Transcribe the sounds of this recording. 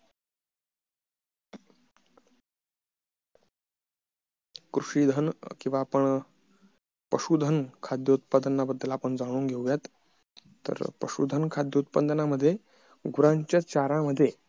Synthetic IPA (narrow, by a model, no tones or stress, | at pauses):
kɾuʂiːd̪ʱənkĩw̃ʋaːpəɳ | pəɕud̪ʱənkʰad̪jəut̪̚pad̪ənːabəd̪ʱːəlapəɳd͡zaɽ̃uːŋɡʱewʋjat̪ː | ə̰ɾpə̰ʂṵd̪ʱənkʰad̪ʱjəut̪̚pand̪ənaməd̪ʱːje | ɡuɾãɲt͡ɕjat͡ɕaɾãməd̪ʱːje